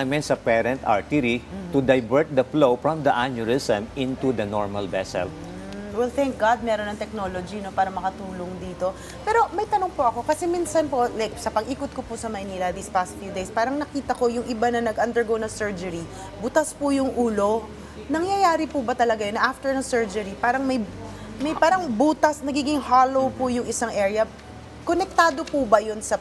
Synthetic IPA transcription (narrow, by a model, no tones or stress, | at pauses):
mɛnsɐpɛɾɛ̃nt̪a̰ɹt̪iɾit̪ud̪ɐjbɛɹt̪̚d̪ɐflofɹɔ̃md̪ɐʔanjʊɹɪsɛ̃mʔɪ̃nt̪ud̪ɐnɔɹmɐlvɛsɛ̰l̩ | wɛlθɛŋk̚ɡad̪̚mɛːɾonɐŋt̪ɛk̚no̞ːlod͡ʒinopaːɾɐmɐkɐt̪uːloŋd̪iːt̪o̞ | pɛːɾo̞mɐjt̪ɐnoŋpoʔɐko̞kɐsɛminsɐnpo̞ʔlajk̚sɐpɐɡʔiːkot̪̚kopʊsɐmɐjniːlɐd̪ispast̪fjud̪ejspaːɾɐŋnɐkiːt̪ɐko̞jʊŋʔɪbanɐnɐɡʔɐnd̪ɛɹɡownɐŋsɛɹd͡ʒɛɾi | buːt̪ɐspʊjʊŋʔuːlo̞ | nɐŋjɐjaːɾɪpubɐt̪ɐlɐɡajonːɐʔaft̪ɛɹnɐŋsɛɹd͡ʒɛɾipaːɾɐŋmɐj | mɐjpaːɾɐŋbuːt̪ɐsnɐɡiːɡɪŋhaːlo̞wpʊjʊŋʔɪsaŋʔɛːɹjɐ | konɛk̚t̪aːd̪o̞pubɐjonsɐ